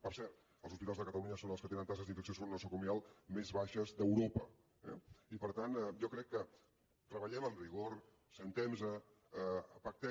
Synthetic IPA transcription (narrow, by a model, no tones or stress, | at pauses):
pəɾsɛɾt̪ | əlˠzuspit̪alzðəkət̪əluɲəsonəlˠskət̪enənt̪as̬əzðiɱfəks̬onsoɾnnəsokumialˠmezβaʃəzðəwɾopə | ɛ̰ipəɾt̪anɛʒɔkɾɛkːə | t̪ɾəβəʎɛməmriɣ̞oɾ | sənt̪ɛmzə | əəpək̚t̪ɛ